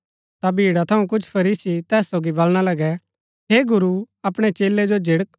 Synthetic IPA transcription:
t̪abʱiːɽat̪ʰɐũk̬ʊt͡ʃʰpʰɐɾiːsit̪ɛːsːoːɡibɐlɽ̃alɐɡɛ | ɦeːɡʊɾu | ɐpɽ̃ɛt͡ʃeːlːɛd͡ʒod͡ʒɪɽək̚

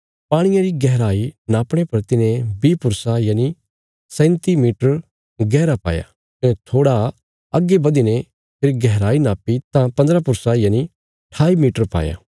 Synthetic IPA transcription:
paːɽ̃ɪjãɾiɡɛɦɾaːinaːpɽ̃epɐɾt̪ɪnẽbiːpʊɾsajaːni | sɛ̃ːnt̪imiːʈəɾ | ɡɛːɾapa̰ːja̰ | t̪ːt̪ʰoːɽa | ɐɡebɐd̪inẽ | pʰɪɾɡɛɦɾaːinaːpit̪ãpɐ̃nd̪ɾapʊɾsajaːni | ʈʰaːimiːʈəɾpa̰ːja̰ː

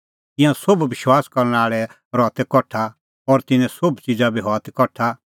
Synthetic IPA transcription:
t̪ɪ̃jãsʊbʋɪʃwaːskɐɾnaːɭɛ | ɾɔːt̪ɛkɔʈʰːa | ɔːɾt̪ɪnɛ̃sʊbt͡ʃɪd͡zabiɦɔːt̪ɛkɔʈʰa

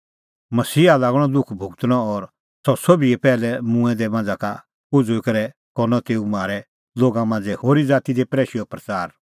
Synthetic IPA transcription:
mɐsiːalaːɡɽ̃ɔd̪ʊkʰbʱʊɡt̪ñɔɔɾ | sɔsobiɛpɛːlɛmũɛ̃d̪ɛmãːnd͡zaka | pʊd͡zoɪkɐɾɛ | kɔnɔt̪eːumaːɾɛ | loːɡãmãːnd͡zɛhoːɾid͡zaːt̪id̪epɾɛːʃiɔpɾɐt͡saːɾ

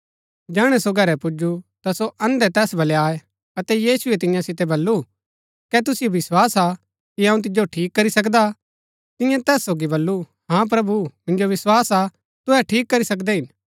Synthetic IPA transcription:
d͡ʒaːɽ̃ɛsoɡʱɐɾɛpʊd͡ʒut̪asoʔɐ̃nd̪ɛt̪ɛːsbʱɐleaːe | ɐt̪ɛjiːsuet̪ɪ̃jãsɪt̪̬ɛbɐlːu | kɛt̪̬ʊsɪjoʋɪswaːsa | kiãːũt̪̬ɪd͡ʒoʈʰiːkːɐɾisɐk̬d̪a | t̪ɪ̃jãt̪ɛːsːoːɡibɐlːu | hãp̬ɾɐbumɪ̃nd͡ʒoʋɪswaːsa | t̪ʊɦɛʈʰiːkːɐɾisɐk̬d̪ɛɦɪn

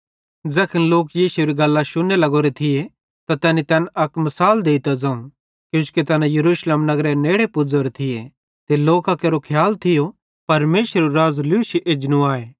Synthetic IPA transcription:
d͡zɛːkʰənloːkjiːsuɾiɡɐlːaʃʊnelɐɡoːɾet̪ʰɪje | t̪at̪ɛːnit̪ɛːnɐkmɐsaːld̪eːit̪ɐd͡zãːũ | kjũːskit̪ɛːnãjɐɾuːʃleːmnɐɡɾeneːɽepʊd͡zoɾet̪ʰɪje | t̪eloːkakeːɾokʰjaːlt̪ʰɪjo | pɐɾmeːsɾɾuɾaːzlʊuʃiʔed͡ʒnũaːeː

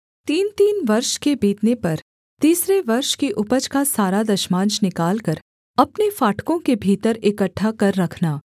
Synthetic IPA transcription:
t̪iːnt̪iːnʋɐɾʃkebiːt̪nepɐɾ | t̪iːsɾeʋɐɾʃkiʔʊpəd͡ʒkasaːɾad̪ɐʃmãːnt͡ʃnɪkaːlkɐɾ | ɐpnefaːʈʰkõkebʱiːt̪əɾɪkəʈʰːakɐɾːɐkʰnaː

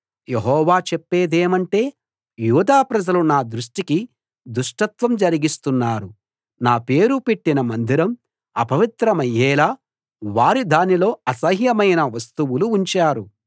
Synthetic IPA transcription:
je̞ɦɔːʋaːt͡ʃepːe̞ːd̪eːmɐɳʈe̞ː | juːd̪aːpɾɐd͡ʒɐlunaːd̪ɾuʂʈiki | d̪uʂʈɐt̪ʋɐmd͡ʒɐɾiɡist̪unːaːɾu | naːpe̞ːɾupeʈːinɐmɐnd̪ʱiɾɐm | ɐpɐʋit̪ɾɐmɐjːɛːlaː | ʋaːɾid̪aːnilo̞ːɐsɐɦjɐmɐjnɐʋɐst̪uwuluːɲt͡ʃaːɾu

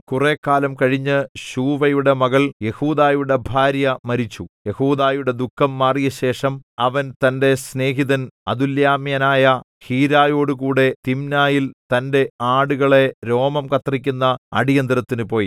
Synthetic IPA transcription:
kure̞ːkːaːlɐmkɐɻiɲːɨɕuːʋɐjuɽe̞mɐɣɐɭje̞huːðaːjuɽe̞bʱaːɾjɐmɐɾit͡ɕːuje̞huːd̪aːjuɽe̞d̪ukʰːɐmːaːrijɐɕe̞ːʂɐmɐʋɐnt̪ɐnde̞sne̞ːɦiðɐnɐd̪ðuljaːmjɐnaːjɐ | hiːɾaːjo̞ːɽɨkuːɽe̞t̪imnaːjilt̪ɐnde̞aːɽuɣɐɭe̞ɾo̞ːmɐmkɐt̪rikʲːunːɐɐ̰ɽijɐnd̪ɾɐt̪ːinɨpo̞ːji

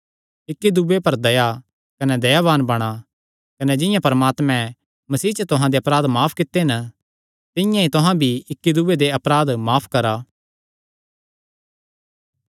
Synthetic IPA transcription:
ɪkːid̪ubepɐɾd̪ɐja | kɐnɛd̪ɐjaʋaːnbɐɽ̃a | kɐnɛd͡ʒɪ̃jãpɐɾmaːt̪mɛ̃ | mɐsiːt͡ʃət̪ʊɦãd̪eɐpɾaːd̪maːpʰkɪt̪ːeɦɪn | t̪ɪ̃jãit̪ʊɦãbʱiɪkːid̪ubed̪eɐpɾaːd̪maːpʰkɐɾa

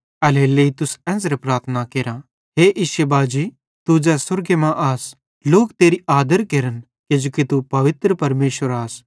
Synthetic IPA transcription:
ɐleleːit̪ʊsɛ̃ːsɾepɾaːɾt̪ʰnakeːɾã | ɦeːʔɪʃebaːd͡ʒiː | t̪ud͡ʒɛːsʊɾɡemãʔaːs | loːkt̪eːɾiaːd̪əɾkeːɾən | ked͡ʒoːkit̪upɐʋɪt̪ɾəpɐɾmeːʃʋəɾaːs

